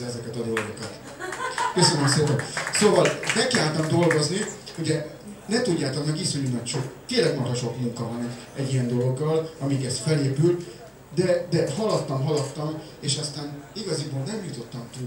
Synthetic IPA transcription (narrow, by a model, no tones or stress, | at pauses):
ɛzɛkɛt̪ɒd̪o̞loɡo̞kɒt̪ | køsønømseːpɛnsoːvɒlnɛkːilaːlt̪ɒmd̪o̞lɡo̞zniuɟɛ | nɛt̪uɟːaːt̪okmɛkisuɲumɒcʃokt̪eːnlɛɡmɒɾɒʃo̞kmuŋkɒvɒnɛɟː | ɛɟːijɛnd̪o̞lo̞ɡːɒlɒmiɡɛst̪fɛleːpylt̪ | d̪ɛd̪ɛɦɒlɒt̪ːɒmɦɒlɒt̪ːɒm | eːʃɒst̪aːniɡɒziboːlnɛmjut̪o̞t̪ːɒmt̪u